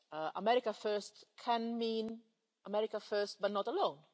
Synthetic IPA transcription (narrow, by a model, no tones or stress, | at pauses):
ʔə̰mɛɾɪkəfɜ˞stkʰɛ̃nmĩːn | ʔəmɛɹɪkəfɜ˞st̚bʌtnɔtəlõʊ̃n